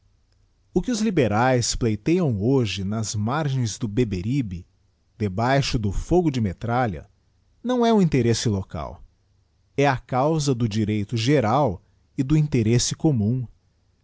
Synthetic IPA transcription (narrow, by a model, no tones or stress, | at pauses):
ʊkɪʊzlibeɾajsplejt̪ejɐ̃w̃oʒɪnɐzmaɾʒẽj̃zd̪ʊbebeɾibɪ | d̪̥ebajʃʊd̪ʊfoɡʊd͡ʒɪmet̪ɾalɐ̰ | nɐ̃w̃ɛũĩnt̪eɾesɪloka̰w | ɛɐkawzɐd̪ʊd͡ʒiɾejt̪ʊʒeɾaw | ɪd̪ʊĩnt̪eɾesɪkomũ